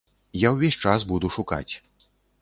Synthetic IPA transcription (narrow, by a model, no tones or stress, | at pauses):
jawvʲesʲt͡ʂas̬bud̪uʂuka̰t͡sʲ